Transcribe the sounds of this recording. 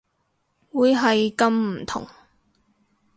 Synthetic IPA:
wuː˨˧jɦɐ˨jkɐ˨mm̩˨˩t̪ʰʊ̰˨˩ŋ

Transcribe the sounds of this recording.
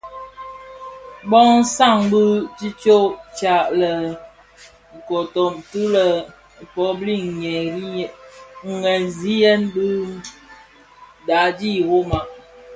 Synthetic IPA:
bɔ˦ŋn̩˦sa˦˨ŋbu˦t͡ʃi˦t͡ʃo˦t͡ʃa˨ʔlə˨ | ŋ̩˨ko˨to˨mtu˦lə˨ | pɔ˨˦bli˦˨ŋ˨ɲɛ˨ɾi˦ŋ̩˨ŋɛ˨n˨zi˦jɛ˦nbɨ˦ | da˨˦d͡ʒi˦˨wo˦ma˨ʔ

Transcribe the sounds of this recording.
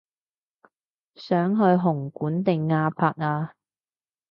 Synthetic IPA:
sœː˨˥ŋɦɵ˧ɥɦʊ˨˩ŋkuː˨˥nt̪ɪ˨ŋːaː˧pʰaː˧k̚aː˧

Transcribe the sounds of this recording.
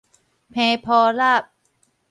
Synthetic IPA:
pʰɛː˧pʰɔː˧ɾaː˥˩p̚

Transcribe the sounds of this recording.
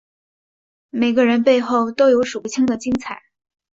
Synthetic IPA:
me˨˩ɪɡə˦ɻə˧˥npe˥˧ɪxo˥˩ʊt̪o˥ʊjo˧˥ʊʂu˨˩˥t͡ɕʰi˥ŋd̪ə˨t͡ɕi˥ŋt͡sʰa˨˩˦ɪ

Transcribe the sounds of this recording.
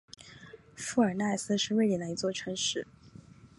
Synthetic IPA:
fu˥˩ə˞˨˩na˥˩ɪsɹ̩˥ʂɻ̩˥˧we˥˩ɪtɛ˨˩d̪ə˧i˧˥t͡swɔ˥˩ʈ͡ʂʰɤ˧˥ŋʂɻ̩˥˩

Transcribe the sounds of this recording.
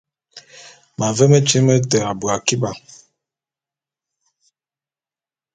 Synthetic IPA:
ma˨vɛ˦me˦t͡ʃi˦mɛ˦tɛ˨a˨ba˨ki˦ba˨

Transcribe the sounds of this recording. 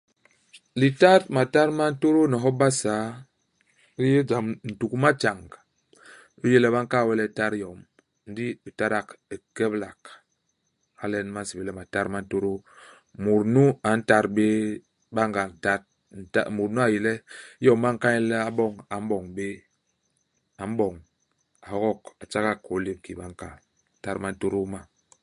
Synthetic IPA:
li˨ta˦t̚ma˨ta˦ɾma˦n̩˦to˦ɾo˦ni˨ɦɔ˦ba˦saː˨˦ | ɾi˦je˦d͡ʒa˨mn̩˨tu˨ku˦ma˦t͡ʃa˨ŋɡ | i˦je˦lɛ˦ba˦ŋ˦ka˦˨wɛ˦lɛ˦˨ta˦ɾjɔ˨m | n̩˦di˦bi˨ta˦ɾa˦ke˨kɛ˦bla˨k | a˨lɛ˦n˦ma˦n˦si˨be˨lɛ˦ma˨ta˦ɾma˦n̩˦to˦ɾo˦ | mu˨ɾnu˦a˨n̩˦ta˦ɾbe˦ | ba˦ŋɡa˨n˨ta˦t̚ | n̩˨ta̰˦˨mu˨ɾnu˦a˨ji˨lɛ˦jɔ˦mː˦a˦ŋ̩˦ka˦i˦lɛ˦a˦bɔ˦ŋa˨m̩˦bɔ˨ŋbe˦ | a˨m̩˦bɔ˨ŋ | a˨hɔ˦ɣɔ˦ka˨t͡ʃa˦ɣa˦˨ko˨˦le˦p̚ki˨ba˦ŋ˦ka˨ | ta˦ɾma˦n̩˦to˦ɾo˦ma˦

